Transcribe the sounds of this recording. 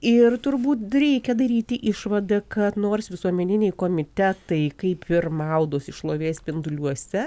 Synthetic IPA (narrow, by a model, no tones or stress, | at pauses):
ɪrt̪ʊrbuːt̪ɾʲɛɪkʲɛd̪ɐɾʲiːt̪ʲɪʔɪʃʋɐd̪ɐkɐt̪noːrsʋʲɪsuɔmʲɛnʲɪnʲɛɪkoːmʲɪt̪ʲæt̪ɐɪkɐɪpɪrmɐʊd̪oːsɪʃlˠoːʋʲeːsʲpʲɪnd̪ʊlʲuɔsʲɛ